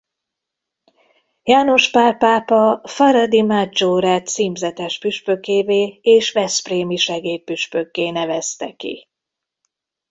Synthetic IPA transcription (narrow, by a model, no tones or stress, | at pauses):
jaːno̞ʃpaːpaːpɒfɒɾɒd̪imad͡ʒoɾɛt̪siːmzɛt̪ɛʃpyʃpøkeːveːeːʃvɛspreːmiʃɛɡeːt̪̚pyʃpøkːeːnɛvɛst̪ɛ̰kḭ